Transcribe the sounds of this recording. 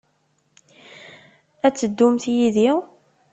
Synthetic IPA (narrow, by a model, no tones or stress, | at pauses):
æt͡sːəd̪ːʊmθjiðiʁ